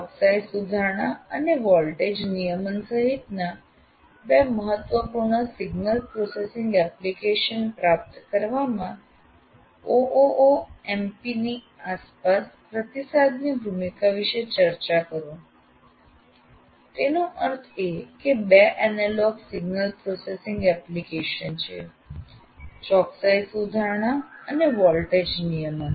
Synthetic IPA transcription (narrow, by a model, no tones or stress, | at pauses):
ɔbsajsud̪ʱaɳ̃aəneʋɔlʈed͡ʑnijəmənsəɦit̪na | bɛməɦət̪ʋəpuɾɳ̃əsiɡnəlpɾɔsesiŋɡɛplikeʃənpɾap̚t̪kəɾʋamã | oʔoʔoempini | aspaspɾət̪isad̪niɡɾumikʰaʋiʃet͡ʃəɾt͡ʃakəɾõ | t̪enoʔəɾt̪ʰekebeʔɛnalɔɡsiɡnəlpɾɔsesiŋɡɛplikeʃənt͡ʃʰḛ | t͡ʃɔksaisud̪ʱaɾɳ̃aəneʋɔlʈed͡ʒnijəma